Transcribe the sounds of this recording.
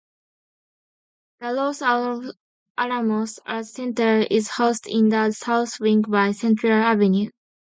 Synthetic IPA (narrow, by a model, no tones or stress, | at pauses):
ð̥əlos | ʔanamosəsɛ̃ntə˞ɪzhoʊstʰḭ̃nd̪əsaʊθwĩŋɡbaɪsɛ̃ntʰɹalavenjũn